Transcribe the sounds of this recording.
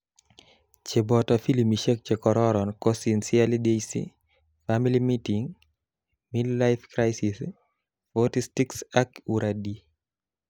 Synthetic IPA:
t͡ʃebɔtɔfilimiʃek̚t͡ʃekɔɾɔɾɔnkosinsialidejsḭ | familimitiŋ | millaɪfkɾajsis | fɔtistiksakuɾʔadi

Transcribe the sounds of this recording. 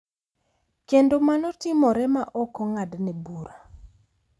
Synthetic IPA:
kendomanɔtɪmɔɾɛmaʔɔkɔŋadnɛbuɾa

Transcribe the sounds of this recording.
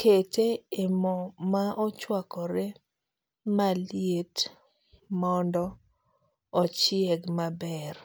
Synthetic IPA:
kʰeteemɔmaʔɔt͡ʃwakɔɾe | maljet | mɔndɔ | ɔt͡ʃɪɛɡmabɛr

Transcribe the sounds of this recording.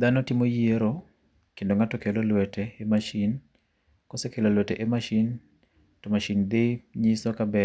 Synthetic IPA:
d̪anɔtɪmojeɾo | kendoŋatɔkelolwɛteːmaʃin | kɔsekelolwɛteʔemaʃin | tɔmaʃind̪ɪɲisokabɛ

